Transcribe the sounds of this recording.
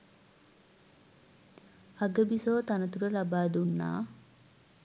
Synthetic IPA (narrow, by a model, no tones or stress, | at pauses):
aɡəbisoːt̪anət̪uɾəlabaːd̪unːa̰ː